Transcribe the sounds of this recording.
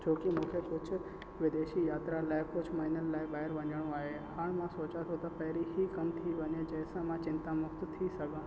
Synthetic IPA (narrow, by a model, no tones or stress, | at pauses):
d͡ʒoːkimʊkʰekʊt͡ʃʰ | ʋɪd̪eːʃijaːt̪ɾalaːɪkʊt͡ʃʰmaɪnəllaːebaːɦɪɾʋɐɲəɽ̃õaːɦe | ɦaɽ̃mãsoːt͡ʃat̪ʰot̪apɐɦɾiɦikɐmt̪ʰiʋəɲed͡ʒɛːsãmãt͡ʃɪ̃nt̪amʊkt̪t̪ʰisəɡã